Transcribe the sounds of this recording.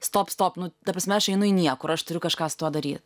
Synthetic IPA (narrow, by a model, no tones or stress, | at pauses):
st̪oːpst̪oːpnʊt̪ɐpɾɐsʲmʲɛɐʃɐɪnʊinʲiɛkʊɪɾɐʃt̪ʊɾʲʊkɐʃkɑːst̪uɔd̪ɐɾʲiːt̪